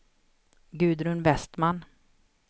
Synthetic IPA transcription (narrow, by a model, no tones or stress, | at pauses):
ɡʉ̟ːd̪ɾɵnvɛst̪man